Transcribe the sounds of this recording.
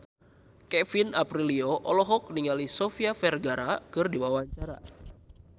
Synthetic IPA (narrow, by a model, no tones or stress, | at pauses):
kɛfinapɾilioʔɔlɔɦɔk̚niŋalisofiafɛrɡaɾakɨrdiwawaɲt͡ʃaɾa̰